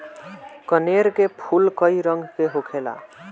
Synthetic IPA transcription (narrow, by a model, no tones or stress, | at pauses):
kəneɾkepʰulkəiɾəŋɡʱkeɦokʰela̰